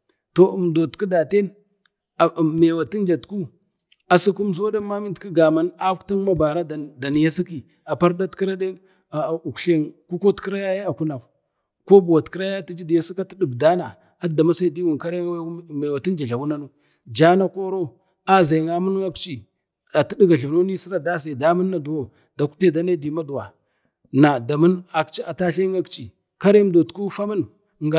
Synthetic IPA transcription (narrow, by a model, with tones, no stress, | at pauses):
to˨m˨do˨tki˦da˨te˦n | a˨me˨wa˨ti˦nd͡ʒa˨tku˦ | a˨si˦ku˦m˦s̬o˦da˦ma˦mi˦ntki˦ɡa˨ma˦na˦kta˦ŋ˦ma˦ba˨ɾa˦dda˨n˨ja˦si˦ki˨ | a˨pa˦ɾda˦tki˦ɾa˦de˦˨ | u˨kɬe˦nku˦ko˦tkɾa˦ja˦ja˦a˨ku˦na˨ | ko˦bu˨wa˨tki˦ɾa˦ja˦ti˦d͡ʒi˦di˨ja˦si˦ka˦ti˦di˨bda˦na˨ | a˦˨da˨ma˦sa˦˨di˦wu˨nka˦ɾe˦wa˦˨ma˨wa˨ti˦n˦d͡ʒa˨ɮa˨wu˦na˦nu˦ | d͡ʒa˦na˦ko˦ɾo˦ | a˦za˨ŋa˦mu˦n˦ŋa˦kt͡ʃi˨ | a˨ti˦di˦ɡa˨ɬa˨no˦ni˦si˦ɾa˨da˦sa˨da˦mə˦nː˦a˨du˨wo˦ | d̥a˨ku̥˦te˦da˦na˦di˨ma˦du˨wa˨ | na˨da˨mu˦na˨kt͡ʃa˨ta˦ɬe˦ŋa˦kt͡ʃi˨ | ka˦ɾe˦m˦do˨tku˦fa˦mə˦n | ŋɡa˨